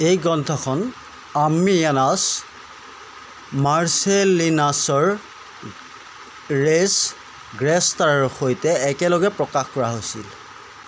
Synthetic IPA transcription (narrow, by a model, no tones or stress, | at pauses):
ejɡɔntʰɔkʰɔn | amianas | maɹselinasɔɹ | ɹes | ɡɹɛstaɹɹxojtɛːkɛlɔɡɛpɹɔkaxkɔɹaɦojsḭl